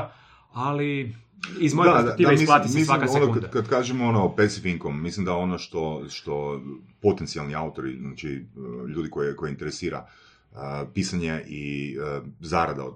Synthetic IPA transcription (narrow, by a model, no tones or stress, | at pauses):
ali | izmojedad̪d̪iaemislaːt̪imislsaimkasonouad̪akad̪kaːʒemonopesifiŋkomːislimd̪ao̞noʃt̪o̞ʃt̪o̞po̞t̪ent̪sialniaut̪o̞ɾiznat͡ʃiʎuːd̪ikojeko̞jeint̪eɾesiːɾa̰ | pisaɲeʔi | zaɾad̪a̰o